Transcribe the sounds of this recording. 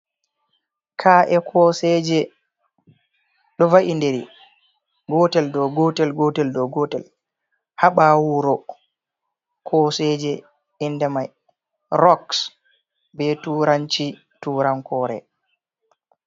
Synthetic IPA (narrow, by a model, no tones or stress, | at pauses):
kʰaʔɛkʰɔːsɛd͡ʒɛ | ɗɔvaʔindeɾḭ | ɡɔtɛldɔɡɔtɛlɡɔtɛldɔɡɔːtɛl | haɓawuɾɔ | kʰɔːsɛd͡ʒɛ | indɛmaj | ɾɔks | bɛtuɾant͡ʃi | tuːɾaŋkɔːɾɛ̰